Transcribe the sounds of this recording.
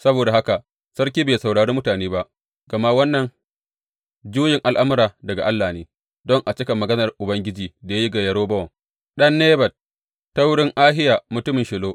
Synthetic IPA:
sɐ˦boː˨da˨ha˦ka˨ʔ | sɐ˦rkʲiː˦beː˨sa˨wɽaː˨ɽeː˦mʊ˦taː˨neː˦ba˦ʔ | ɡ̥ɐ˨ma˦wɐ˦nːɐ˨ŋ | d͡ʒuː˦jɪ˨ŋʔa˨lʔa˦mʊ˦ɾaː˨dɐ˨ɡa̰˨ʔa˦lːaː˨neː˦ | dɔ˦ŋʔa˨t͡ʃɪ˦kɐ˨mːɐ˨ɡɐ˦nɐ˨rʔʊ˨bɐ˦ŋɡʲɪ˦d͡ʒiː˨da˨ja˦ji˦ɡa˨jɐ˦ɽoː˦bɐ˦wɐ˨ŋ | ɗɐ˦nːeː˦bɐ˨t̚ | tːa˦wʊ˦ɽɪ˦ŋʔaː˦ɦɪ˦jaː˨mʊ˨tʊ˦mɪ˨nʃɪ˨loː˦ʔ

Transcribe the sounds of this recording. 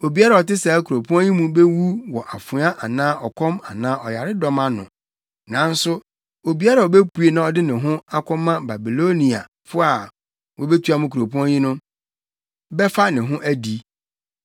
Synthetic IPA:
o˨bi˦a˦ɾa˨ɔ˨tɪ˦sɛ˨˦kʰu˨ɾo˨pʰu˦ã˦jĩ˦mũ˦be˦wu˦wɔ˨ʔa˨fʊ˨˦a˦ʔa˨nãː˦ʔɔ˨kʷʰɔ̃˦ma˨nãː˦ʔɔ˨ja˨ɾɪ˦dɔ˦mã˦nʊ̰̃˨ | nã˨n̩˦sʊ˦ | o˨bi˨˦a˦ɾa˨ɔ˨be˦pu˨˦e˨nã˨ɔ˨dɪ˦nɪ̃˨ɦʊ̃˦a˦kʰʷɔ̃˦mːã˦ba˨bi˨lo˦nĩ˨a̰˨ | fʊ˦a˨ | wʔɔ˦˨be˦tʰu˦a˦mʊ̃˦kʰu˨ɾo˨pũ˦ã˦jĩ˦nʊ̃˦ | bɛ˦fa˦nɪ̃˨ɦʊ̃˦ʔæ˦di˨

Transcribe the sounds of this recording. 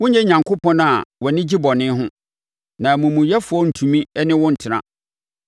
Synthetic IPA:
wʊ̃˦ɲ˦jɛ˦ɲã˨ŋkʰo˦pʰɔ̃˦na˨wɔ˨nɪ̃˦d͡ʑi˦bɔ˨nɪ̃˦ɦʊ̃˦ | nã˨mũ˨mũ˨jɛ˦fʊ˨ɔ˦n̩˨tʰũ˨mĩ˦ɛ˦nɪ̃˦wʊ̃˦n̩˨tʰɪ˨ɾã̰˨

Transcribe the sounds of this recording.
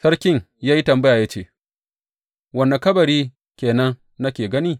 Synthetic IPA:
sɐ˦ɾkʲɪ˦˨ŋ | jaː˦ji˦tɐ˨mbɐ˦ja˨jaː˦t͡ʃeː˦˨ | wɐ˦˨nːa˨kɐ˦bɐ˨ɾiː˦ | kʲeː˨nɐ˦nː | ɐ˦kʲeː˨ɡɐ˦niː˦˨

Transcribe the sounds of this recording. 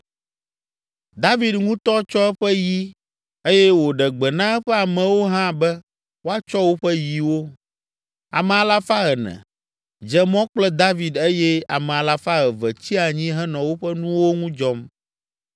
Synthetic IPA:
d̪a˦vi˦d̪ŋũ˦t̪ɔ˦t͡ʃɔ˦ɛ˦ɸɛ˦ji˦ | e˦jɛ˦wo˨ɖɛ˨ɡ͡bɛ˨nã˦ɛ˦ɸɛ˦a˨mɛ̃˨wo˦ɦã˦bɛ˦ | wo˦a˦t͡ʃɔ˦wo˦ɸɛ˦ji˨wo˦ | a̰˨mɛ̃˨a˨la˦fa˦ɣɛ˨nɛ̰̃˨ | d͡ʒɛ˨mɔ̃˦k͡plɛ˦d̪a˦vi˨d̪e˦jɛ˦a˨mɛ˨a˨la˦fa˦ɣɛ˨vɛ˨t͡ɕi˦a˨ɲĩ˦ɦɛ˦nɔ̃˨wo˦ɸɛ˦nũ˦wo˦ŋũ˦d͡ʒɔ˦m

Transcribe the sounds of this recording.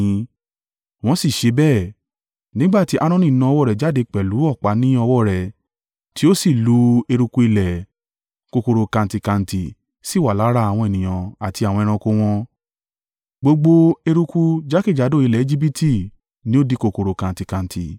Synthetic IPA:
w̃ɔ̃˧si˦˨ʃe˧˦bɛ˦˨ | nĩ˦ɡ͡ba˦˨ti˨˦ʔa˦˧ɾ̃ɔ̃˦nĩ˦˨nã˧˦˧wɔ˦˨ɾɛ˨d͡ʒa˦de˧k͡pɛ˨lu˨˦ɔ˦˨k͡pa˨˦nĩ˦ɔ˧wɔ˦˨ɾɛ˨ | ti˦o˦si˦˨lu˨˦e˧ɾu˧ku˧i˧lɛ˨ | ko˧ko˧ɾo˧kã˧n˨ti˧kã˧n̩˨ti˨ | si˦˨wa˨la˨˦ɾa˦a˨w̃ɔ̃˧e˦˨nĩ˨j̃ã˨a˨ti˧a˨wɔ̃˧ɛ˧ɾ̃ã˧ko˧w̃ɔ̃˧ | ɡ͡bo˧ɡ͡bo˧e˧ɾu˧ku˧d͡ʒa˦ki˦˨d͡ʒa˨˦do˦˨i˧lɛ˨e˧˦d͡ʒi˦bi˦tʰi˦˨ | nĩ˨˦o˦di˦˧ko˧ko˧ɾo˧kã˧n˨ti˧kã˧n̩˨ti˨

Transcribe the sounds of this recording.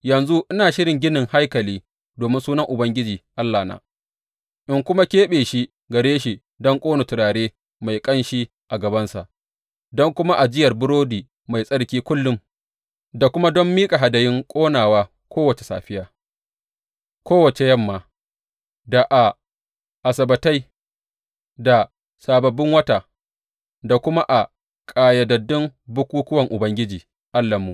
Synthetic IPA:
jɐ˨nzu˦ʔɪ˦naː˨ʃɪ˦ɾɪ˨ŋɡʲɪ˦nɪ˨ŋha˦jkɐ˨liː˦ | doː˨mɪ˦nsuː˦nɐ˦ŋʔʊ˨bɐ˦ŋɡʲɪ˦d͡ʒiː˨ʔa˦lːaː˨na̰ː˨ | ʔɪ˦ŋkʷʊ˦ma˦kʲeː˦ɓeː˨ʃi˦ | ɡɐ˨ɽeː˦ʃi˨ | dɔ˦ŋkʼoː˦no˨tʊ˨ɾaː˨ɽeː˦ | ma˨jkʼɐ˦nʃi˦ | ʔa˨ɡɐ˨bɐ˦nsa̰˨ʔ | dɔ˦ŋkʷʊ˦ma˦ʔa˨d͡ʒɪ˦jɐ˨rbʊ˦ɽoː˦diː˨ | ma˨jsʼɐ˦ɽkʲiː˦kʷʊ˦lːʊ˦m | da˨kʷʊ˦ma˦dɔ˦mːiː˦kʼa˨ɦa˨dɐ˨jɪ˦ŋkʷʼoː˦naː˨waː˦ | kʷoː˦wɐ˨t͡ʃe̥˨sa̰ː˨ɸɪ˦jaː˦ | kʷoː˦wɐ˨t͡ʃe˨jɐ˦mːaː˨ | da˨ʔa˨ | ʔa˨sɐ˨bɐ˨ta˦j | da˨ | saː˨bɐ˨bːɪ˦ŋwɐ˦ta˨ | da˨kʷʊ˦ma˦ʔa˨ | kʼaː˨jɐ˨dɐ˨dːɪ˦mbʊ˦kʷuː˦kʊ˦wɐ˨ŋʔʊ˨bɐ˦ŋɡʲɪ˦d͡ʒiː˨ | ʔa˦lːɐ˨mːuː˨

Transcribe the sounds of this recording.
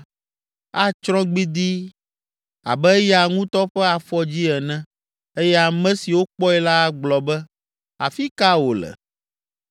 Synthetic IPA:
a˦t͡ʃɾɔ̃˦ɡ͡bi˦d̪i˦ | a̰˨bɛ˦jɛ˦a˨ŋũ˦t̪ɔ˦ɸɛ˦a˨fɔ˦d͡ʑi˦ɛ˨nɛ̃˦ | e˦jɛ˦a˨mɛ̃˦si˨wo˦k͡pɔ˦ɛ˦la˦ɡ͡blɔ˨bɛ˦ | a̰˨fi˦ka˦wo˨lɛ̰˨

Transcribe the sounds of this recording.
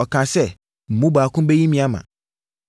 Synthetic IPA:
ɔ˨kʰã˨sɛ˦ | m̩˨mũ˦ba˨kʊ̃˦be˦ji˦mĩ˨˦a˦mã̰˨

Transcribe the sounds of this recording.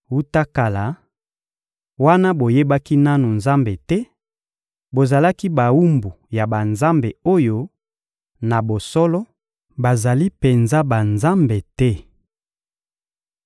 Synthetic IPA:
u˦ta˦ka˨la˨ | wa˦na˦bo˨je˦ba˦ki˦na˦nu˨nza˦mbe˨tɛ˦ | bo˨za˨la˦ki˦ba˨wu˦mbu˨ja˨ba˨nza˦mbe˨o˦jo˦ | na˨bo˨sɔ˦lɔ˦ | ba˨za˨li˦pe˨nza˦ba˨nza˦mbe˨tɛ˦

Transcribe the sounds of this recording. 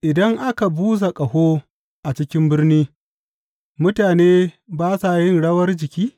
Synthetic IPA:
ʔɪ˨dɐ˦ŋʔa˦ka˨buː˦z̬a˨kʼɐ˨hoː˦ | ʔa˨t͡ʃɪ˦kʲɪ˦mbɪ˦rniː˦ | mʊ˦taː˨neː˦ | baː˦sa˨jɪ˦nɽɐ˦wɐ˦rd͡ʒɪ˨kʲiː˦

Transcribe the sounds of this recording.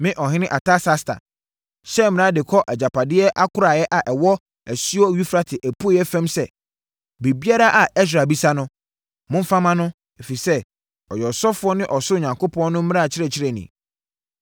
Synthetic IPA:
mɪ̃˦ʔɔ˨ɦɪ̃˦nɪ̃˦ʔa˨tʰa˦sa˦stʰa̰˨ | ɕɛ˦mɪ̃˨ã˦dɪ˨kʰɔ˦ʔɛ˨d͡ʑa˨pʰa˨dɪ˦ɛ˦ʔa˦kʰʊ˦ɾa˨jɛ˦ʔa˨ʔɛ˨wɔ˦ | æ˨si˦ɔ˦ɥi˦fɾa˦tʰɪ˨ʔæ˨pʰu˦jɛ˦fɛ̃˦msɛ˦ | be˨bi˦a˦ɾa˦ʔa˨ɛ˦s̬ɾa˨bi˦sa˦nʊ̃˦ | mʊ̃˦m˦fã˦mã˦nʊ̃˦ | e˨fi˨sɛ˦ | ɔ˨jɔ˨sɔ˦fʊ˦ɔ˦nɪ̃˦ʔɔ˨sʊ˦˨ɲã˨ŋkʰo˦pʰɔ̃˦nnʊ̃˦m̩̃˦a˦˨t͡ɕʰɪ˦ɾɛ˨t͡ɕʰɪ˦ɾɛ˨nḭ̃˨

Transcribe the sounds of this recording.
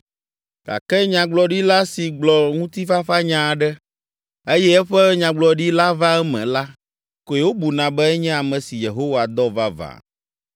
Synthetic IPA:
ɡ̥a̰˨kɛ˦ɲã˨ɡ͡blɔ˨ɖi˦la˦si˨ɡ͡blɔ˨ŋũ˦t̪i˦fa˦ɸa˦ɲã˨ɖɛ˦ | e˦jɛ˦ɛ˦ɸɛ˦ɲã˨ɡ͡blɔ˨ɖi˦la˦va˦ɛ˦mɛ̰̃˨la˦ | ko˨ɛ˨wo˦bu˨nã˨bɛ˦ɛ˦ɲɛ̃˦a˨mɛ̃˨si˨je˨ɦo˦wa˨d̪ɔ˦va˦va̰˨

